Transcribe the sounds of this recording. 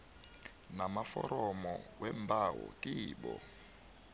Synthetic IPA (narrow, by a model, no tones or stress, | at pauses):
namafɔɾɔmɔwɛmbʱawɔkʼiːɓɔ